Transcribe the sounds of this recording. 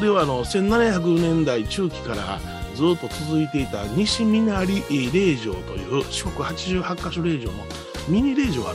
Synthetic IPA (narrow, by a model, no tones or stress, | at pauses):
oɾe̞βaːno̞sẽ̞nːanaçak̬ɯnẽ̞nd̪ait͡ɕɨːkʲi̥kaɾa̰ | d͡zɨːt̪ːo̞t͡sɨzɨit̪e̞it̪aɲ̟iɕimʲinaɾʲiʔɾe̞ːʑo̞̰ːt̪o̞̰jɯ̟ːɕokɯ̟hat͡ɕiʑɨːhakːaɕoɾe̞ːʑo̞̰ːno̞ | mʲiɲ̟iɾe̞ːʑo̞ːɡa̰